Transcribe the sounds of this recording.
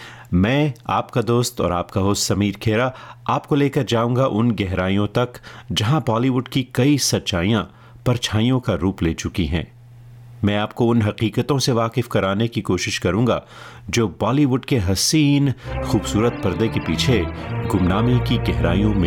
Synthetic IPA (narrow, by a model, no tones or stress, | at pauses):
mɛ̃ːaːpkad̪oːst̪ɔ̰ːɾa̰ːpkaɦoːsɐmiːɾkʰeːɾaaːpkoleːkɐɾd͡ʒaːũːŋɡaʔʊnɡɛɦɾaːijõt̪ɐkd͡ʒɐɦãbɔːliʋʊɖkikɐisɐtːʃaːijã | pɐɾt͡ʃʰaːijõkaɾuːpleːt͡ʃʊkiɦɛ̰̃ː | mɛ̃ːaːp̚koʊnɦɐqiːqət̪õseʋaːqɪfkɐɾaːnekikoːʃɪʃkɐɾũːŋɡa̰ | d͡ʒoːbɔːliʋʊɖkeɦɐsiːnxuːbsuːɾət̪̚pɐɾd̪ekepiːt͡ʃʰeɡʊmnaːmikiɡɛɦɾa̰ːijõmẽ